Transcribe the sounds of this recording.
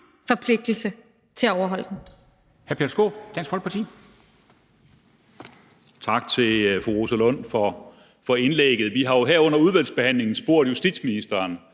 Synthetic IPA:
fɒ̽pʰle̝ɡ̥̚d̥l̩sə | t͡sʰe̝lɒʊɐɦɒ̽l̰d̥n̩ | hæɐpʰe̝ɐsɡ̥o̝̰ːd̥ænsɡfɒ̽l̥̚pʰɑt͡sʰḭː | t͡sʰɑ̈ɡ̥̚t͡sʰe̝lfʁuʁosəlɔ̽n̰fɒ | fɒ̽e̝nleɡ̥ð̞̩ˠʋiɦɑ̈jo̝ɦæɐɔ̽n̰ɐuð̞ˠʋæl̰sb̥e̝hæn̰le̝ŋn̩sb̥o̝ɐ̰d̥jusd̥id̥sminisd̥ɐːn

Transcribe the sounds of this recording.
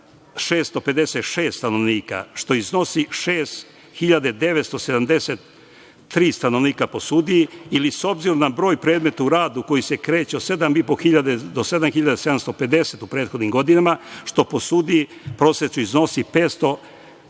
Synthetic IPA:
ʃeːst̪o̞pe̞d̪eset̪ʃeːst̪t̪ano̞ʋniːka̰ʃt̪o̞izno̞siʃeːst̪ | xiʎad̪ed̪e̞ʋet̪st̪o̞se̞d̪amd̪e̞set̪ː | ɾiːst̪ano̞ʋniːkapo̞suːd̪ieiliso̞bziɾomnabɾo̞ːjpɾe̞ːd̪met̪auɾaːd̪uko̞jise̞kɾe̞ːt͡ɕeose̞d̪amipoxiʎad̪ed̪o̞se̞d̪amxiʎad̪eseamst̪ope̞d̪e̞set̪upɾe̞ːt̪xod̪nimɡo̞d̪inamaʃt̪o̞po̞suːd̪ipɾo̞set͡ʃ̪uizno̞sipet̪st̪o̞

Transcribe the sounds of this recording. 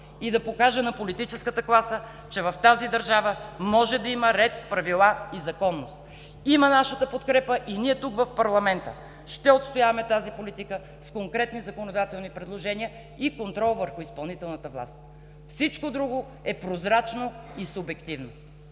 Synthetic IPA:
id̪ɐpokaʒɛnɐpolit̪it͡ʃɛskət̪əklˠasə | t͡ʃɛvɐft̪azid̪ɐɾʒavəmɔʒɛd̪ɐiməɾɛt̪pɾɐvilˠaizɐkɔnːost̪ | imənaʃət̪əpot̪kɾɛpəʔiniɛt̪ukvɐfpɐɾlˠɐmɛnt̪ə | ʃt̪ɛot̪st̪ojavɐmɛt̪azipolit̪ikə | skoŋkɾɛt̪nizɐkonod̪at̪ɛlˠnipɾɛd̪lˠoʒɛniə | ikont̪ɾɔlˠvəɾxʊispɐlˠnit̪ɛlˠnət̪əvlˠa̰st̪ | fsit͡ʃkod̪ɾuɡo | ɛpɾozɾat͡ʃno | isʊbɛkt̪ivno

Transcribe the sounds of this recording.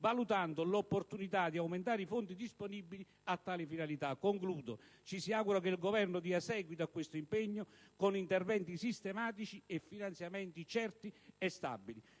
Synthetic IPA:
valut̪and̪ʊlopːort̪unit̪ad̪iawment̪aːɾɪifont̪id̪isponibːili | at̪ːaːlifinalit̪akːoŋkluːd̪ot͡ʃisiaɡuɾakelɡovɛrnʊd̪iːasɛːɡwit̪oakːwest̪oimpɛɲːʊkonint̪ɛrvɛnt̪isist̪ɛmaːt̪it͡ʃiɛfːinant̪sjamɛnt̪it͡ʃɛrt̪iɛst̪a̰bːili

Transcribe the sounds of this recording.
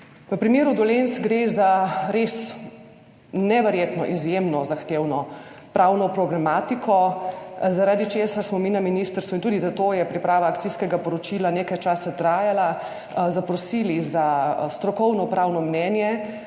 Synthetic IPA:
ʋəpɾimeːɾud̪ɔlensɡɾezaɾes | nɛʋɛɾjeːt̪nɔ̰ʔizjemnɔzaxt̪ewnɔpɾawnɔpɾɔblɛmaːt̪ikʰɔ | zaɾaːd̪it͡ʃeːsasmɔminaminist̪əɾst̪ʋuint̪uːd̪izat̪ojɛpɾipɾaːʋaːk̚t̪siskɛɡapɔɾɔt͡ʃilaneːkajt͡ʃaːsat̪ɾaːjala | zapɾɔsiːlizast̪ɾɔkɔwnɔpɾawnɔmnɛnjɛ

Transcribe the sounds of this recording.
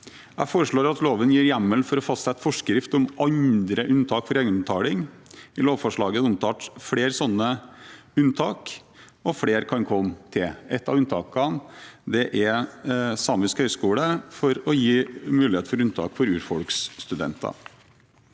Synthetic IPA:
ʔæfoːɾəʂɭoːɾɑt̪loːʋənjiːɾjæmːəlfɔɾɔfɑst̪sɛɛt̪fɔʂkɾɪft̪ɔmʔɑnd̪ɾəʔʉnt̪ʰɑːkfɔɾeːɡənət̪ʰɑːlɪŋ | ɪloːʋfɔʂɭɑːɡəʊmt̪ʰɑːʈfɽeːɾsɔnːəʉnt̪ʰɑːk | ɔfɽeːɾkʰɑnkʰɔmt̪ʰɪɛt̪ːɑʋʉnt̪ʰɑ̰ːkɑnd̪ɛʔɛɾsɑːmʏskhœʏskuːɽəfɔɾɔjiːmʉːlɪheːt̪fɔɾʉnt̪ʰɑ̰ːkfɔɾʉːɾfɔlkst̪ʉd̪ɛ̰nt̪ɑ̰

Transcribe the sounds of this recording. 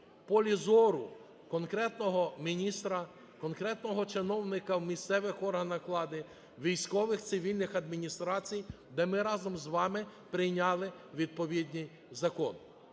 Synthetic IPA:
pɔlʲizɔɾʊ | kɔnkɾɛt̪nɔɦɔmʲinʲist̪ɾɐ | kɔnkɾɛt̪nɔɦɔt͡ʃɪnɔwnɪkɐwmʲist̪sɛʋɪxɔrɦɐnɐklˠɑd̪ɪ | ʋʲijsʲkɔʋɪxt̪sɪʋʲilʲnɪxɐd̪mʲinʲist̪ɾɑt͡sʲij | d̪ɛmɪɾɑzɔmzʋɑmɪpɾɪjnʲɑlˠɪʋʲid̪̚pɔʋʲid̪ʲnʲij | zɐkɔn

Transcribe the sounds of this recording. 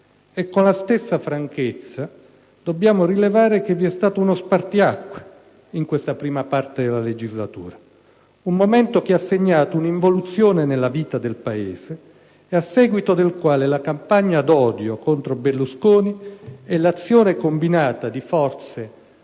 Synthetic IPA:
ekːonlast̪esːafɾaŋket̪sːa | d̪̥obːjaːmorilevaːɾekevːiɛst̪aːt̪ounospart̪iakːwe | iŋkwest̪apɾiːmapart̪ed̪elaled͡ʒizlat̪ṵːɾa | umːomɛnt̪okeasːeɲːaːt̪ouniɱvolut̪sːjoːnenelːaviːt̪ad̪elpaeːz̥e | asːɛːɡwit̪od̪elkwaːlelakampaɲːad̪ɔːd̪jokont̪ɾobelːuskoːniɛlːat̪sːjoːnekombinaːt̪ad̪ifɔrt̪se

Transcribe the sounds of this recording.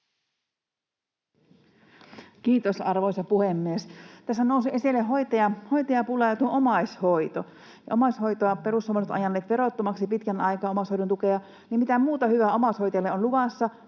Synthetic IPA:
kiːt̪osɑrʋojsɑpuhemːiest̪æsːænousuʔesilːeɦo̞jt̪ɑjɑhojt̪ɑjɑpulɑjɑt̪uoʔomɑjsho̞jt̪o | jɑ̰ʔo̞mɑsho̞jt̪oɑpeɾushomnot̪ɑ̰jɑnːeːt̪ʋe̞ɾot̪ːomɑksipit̪kænɑjkɑːomɑshojdont̪ukeɑ | nimit̪æmuːt̪ɑhyʋæomɑsho̞jt̪elːeonluʋɑsːɑ

